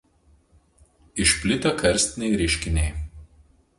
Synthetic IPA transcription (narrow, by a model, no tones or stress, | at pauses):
ɪʃʲpʲlʲɪt̪ɐkʰɐɾʲsʲt̪ʲɪnʲɛɪɾʲɪʃʲkʲɪnʲɛɪ